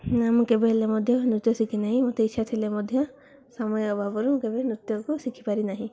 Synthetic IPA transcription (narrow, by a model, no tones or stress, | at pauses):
amkebelemɔd̪ʱjɔnut̪jɔsikʰinaɦĩmɔt̪eitːʃʰat̪ʰilemɔd̪ʱjɔ | samɔjɔbʱabɔɾukebenut̪jɔkusikʰipaɾinaɦĩ